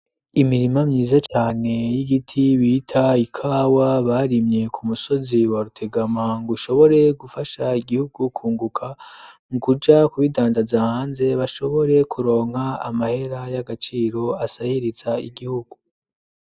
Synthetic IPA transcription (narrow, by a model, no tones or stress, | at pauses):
imiɾimamɲiːzat͡ʃaːne̞jiɡitʰiβiːtʰaikʰaːwaβaːɾimɲe̞kʰumuso̞ziwaɾutʰe̞ɡamaŋɡuʃo̞βo̞ɾe̞ɡufaʃaiɡihuɡukʰuːŋɡukʰamukud͡ʒakuβidaːndazahaːnze̞βaʃo̞βo̞ɾe̞kʰuɾo̞ːŋ̥haa̰mahe̞ɾajaɡat͡ʃiːɾo̞asahiɾizaiɡihuɡ̥u